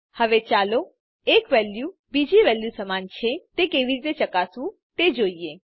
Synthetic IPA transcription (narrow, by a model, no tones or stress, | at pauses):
həʋet͡ʃaːlo | eːkʋɛːljubiːd͡ʒiʋɛːljusəmaːnt͡ʃʰet̪ekeːʋiɾt̪et͡ʃəkaːsũ | t̪ed͡ʒoːie